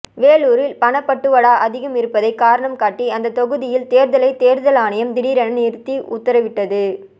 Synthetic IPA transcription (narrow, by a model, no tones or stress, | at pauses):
ʋeːɭuːɾɪlpɐɳɐpːɐʈːɯʋɐɽaːʔɐðɪɣɐmɪɾɯpːɐðɐɪkaːɾɐɳɐmkaːʈːiɐnd̪ɐt̪ɔɣɯðɪjɪlt̪eːɾðɐlɐɪt̪eːɾðɐlaːɳɐjɐmd̪ɪɽiːɾɐnɐnɪɾɯt̪ːiʔʊ̰t̪ːɐɾɐʋɪʈːɐðɯ